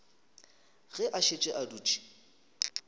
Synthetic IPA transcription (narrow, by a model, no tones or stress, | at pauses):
ɣɛʔaʃet͡ʃʼɪʔaduːt͡ʃʼi̥